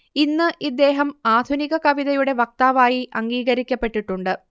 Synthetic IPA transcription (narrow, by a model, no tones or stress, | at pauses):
inːɨʔid̪ːe̞ːɦɐmaːd̪ʱuniɣɐkɐʋiðɐjuɽe̞ʋɐk̚t̪aːʋaːjiʔɐŋɡiːɣɐɾikʲːɐpːe̞ʈːiʈːuɳɖɨ